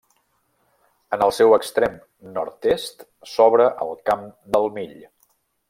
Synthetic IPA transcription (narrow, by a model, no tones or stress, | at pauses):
ənəlˠsɛwəkst̪ɾem | nɔ̰ɾt̪est̪ | sɔβɾəʔə̰lˠkamd̪əlˠmiʎ